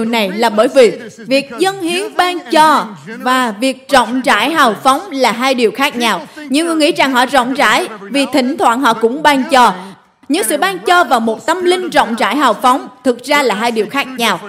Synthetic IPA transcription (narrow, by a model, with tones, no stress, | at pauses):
wna˨˩jlaː˨˩ɓəː˧˩jvi˨˩ | vi˨˩ək̚zə˧nhi˨˦ənɓaː˧ŋt͡ɕɔ˨˩vaː˨˩vi˨˩ək̚t͡ɕɔ̰˧˨wŋ͡mt͡ɕa̰ː˧˥jɦaː˨˩wfɔ˨˦wŋ͡mlaː˨˩ɦaː˧jɗi˨˩əwxaː˦˥k̚ɲaː˧wɲɨ̰˧ŋɨ˨˩jŋḭ˧˥za˨˩ŋɦɔ̰˧˨zɔ̰˧˨wŋ͡mt͡ɕa̰ː˧˥jvi˨˩t̪ʰï˧˩ŋ̟t̪ʰwa̰ː˧˨nɦɔ̰˧˨kʊ̰˧˥ŋ͡mɓaː˧ŋt͡ɕɔ˨˩ | ɲɨ̰˧˥ŋsɨ̰˧˨ɓaː˧ŋt͡ɕɔ˧vaː˨˩wmo˨˩t̚t̪ə˧mlï˧ŋ̟zɔ̰˧˨wŋ͡mt͡ɕa̰ː˧˥jɦaː˨˩wfɔ˨˦wŋ͡mt̪ʰɨ˨˩k̚zaː˧laː˨˩ɦaː˧jɗi˨˩əwxaː˦˥k̚ɲaː˧w